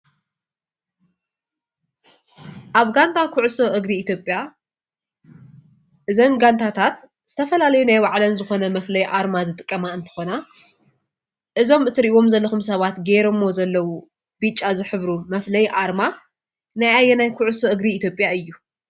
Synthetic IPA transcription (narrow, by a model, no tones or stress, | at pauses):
ʔaβɡant̪ʰakʰʊʕsoʔɨɡɾiːt̪jo̞pʼja | ʔɨzɐnɡant̪ʰat̪ʰat̪ | z̥ɨt̪ʰɐfɐlalɐjunajwaʕlɐnzɨxo̞nɐmɐflɐjʔaɾmazɨt̪ʼɨkʼːɐmaɨnt̪ʰɨ̥xo̞na | ʔɨzo̞mɨt̪ʰɨɾʔiwo̞mzɐlːɐxumsɐβat̪ɡeɾomːo̞zɐlːɐwu | b̥it͡ʃʼːazɨħɨβɾumɐflɐjʔaɾma | najajːɛnajkʰʊʕʊsoʔɨɡɾiːt̪ʰjo̞pʼjaɨjːu